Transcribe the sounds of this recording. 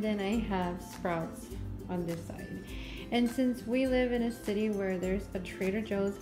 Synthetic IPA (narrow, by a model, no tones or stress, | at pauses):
ðɨ̃naɪəv̥spɹaʊtsnðɪsa̰ɪɾ | ɨ̃nsɪ̃nswilɪvɨ̃ñɨsɪɾiwə˞ðə˞zɨtʰɹ̥eɪɾə˞d͡ʒoʊz